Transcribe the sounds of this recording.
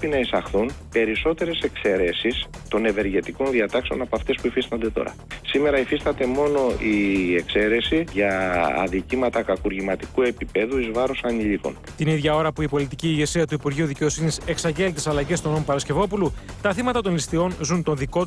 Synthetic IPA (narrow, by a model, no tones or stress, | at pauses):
pinɐisɐxθunpe̞ɾiso̞t̪e̞ɾe̞se̞kse̞ɾe̞sist̪o̞ne̞ve̞ɾʝe̞t̪iko̞nðiɐt̪ɐkse̞o̞nɐpoɐft̪e̞spuifist̪ɐnd̪e̞t̪o̞̰ɾɐ̰sime̞ɾɐifist̪ɐt̪e̞mo̞no̞ie̞kse̞ɾe̞siʝɐ̰ðicimɐt̪ɐkɐkuɾʝimɐt̪ikue̞pipe̞ðuizvɐɾosɐniʎiko̞̰n | t̪iniðʝɐo̞ɾɐpuipo̞lit̪iciːʝe̞siɐt̪uipuɾʝiuðice̞o̞sinise̞ksɐɲɟe̞lit̪isɐlɐʝe̞st̪onompɐɾɐsce̞vo̞pulut̪ɐθimɐt̪ɐt̪o̞nlist̪io̞nzunt̪o̞nðiko̞